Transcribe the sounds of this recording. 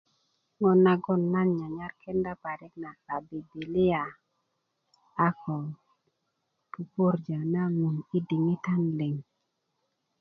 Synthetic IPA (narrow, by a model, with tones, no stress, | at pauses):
ŋɔ˨nːa˨ɡɔ˦nːa˦nɲa˨ɲa˦ɾkʰɛ˦nda˦pa˨ɾi˦kna˨a˨bi˨bi˨li˦a˨ | a˦kʰɔ˨ | pu˨po˦ɾd͡ʒa˨na˦ŋu˨ni˦di˨ŋi˦ta˦nle˨ŋ